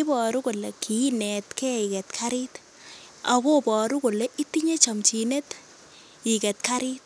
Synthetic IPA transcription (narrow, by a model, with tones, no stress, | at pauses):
i˦bɔ˨ɾu˦ko˨le˨kʰi˨i˦nɛ˨tkɛ˦i˨kɛ˨tkʰa˦ɾɪ˦t | a̰˨ko˦pɔ˨ɾu˦ko˨le˦ʔi˦ti˦ɲe˦t͡ʃɔ˨mt͡ʃi˨ne˦t | i˨kɛ˨t̚ka˦ɾɪ˦t̚